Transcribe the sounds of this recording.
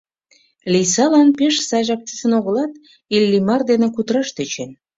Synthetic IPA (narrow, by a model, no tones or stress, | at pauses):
lijsɑlɑnpeʃsɑjʒɑk̚t̪ysə̆noɣə̆lɑt̪̚ | ilʲːimɑrd̪enĕkut̪əɾɑʃt̪et͡ɕen